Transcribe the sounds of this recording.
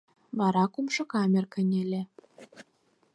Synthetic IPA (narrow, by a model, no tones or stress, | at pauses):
βɑɾɑkumʃɤ̆kɑmʲerkɘ̆nʲĕlʲĕ